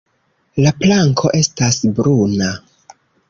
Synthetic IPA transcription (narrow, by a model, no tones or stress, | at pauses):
laplaŋkʰo̞ʔe̞stasbɾuna